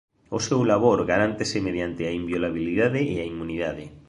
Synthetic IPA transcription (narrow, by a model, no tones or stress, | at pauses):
osewlaβ̞oɾɣaɾant̪esemeð̞jant̪ɪaimbjolaβ̞iliðaðeʔːaimuniðaðe